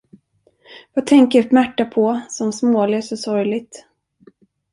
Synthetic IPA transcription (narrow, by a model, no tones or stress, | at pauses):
vat̪ʰɛŋkəɾmæʈːapʰɔsɔmsmoːlɪsɔsɔɾjlɪɡ̚t̪